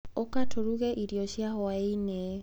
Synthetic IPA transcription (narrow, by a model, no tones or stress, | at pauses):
okatʰoɾuɣɛʔiɾjoɕjahɔaine